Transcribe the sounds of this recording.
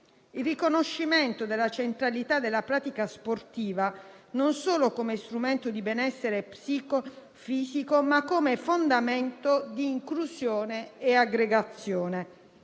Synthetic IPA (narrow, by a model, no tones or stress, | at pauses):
ilrikonoʃːiment̪od̪elːat͡ʃent̪ɾalit̪ad̪ːelːapɾaːt̪ikasport̪iːva | nonsoːlokomest̪ɾument̪od̪ibɛnɛsːeɾepsiːko | fiːzikomakːomefond̪ament̪od̪iːŋkluzjoːneeaɡɾeɡat̪sːjoːne